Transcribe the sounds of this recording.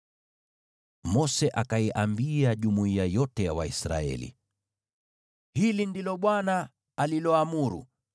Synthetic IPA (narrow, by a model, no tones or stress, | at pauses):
mɔsɛʔakaiʔambiaʄumuiajɔtɛjawaisɾa̰ɛ̰lḭ | hilindilɔɓwanaː | lilɔamuɾṵ